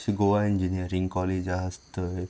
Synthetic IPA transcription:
siɡoʋaind͡ʒiniəɾiŋkɔled͡ʒaɦast̪ə

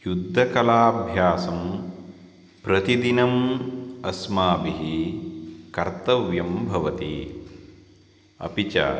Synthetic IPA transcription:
jud̪ʱːɐkɐlaːbʱjaːsɐm | pɾɐt̪id̪inɐmɐsmaːbiɦi | kɐɾt̪ɐʋjɐmbʱɐʋɐt̪ḭ | ɐ̰pit͡ʃa̰

